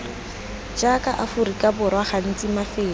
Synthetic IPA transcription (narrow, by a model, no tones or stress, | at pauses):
d͡ʒakʼaʔafurikʼabʊrwaχan̩t͡sʼimafɪː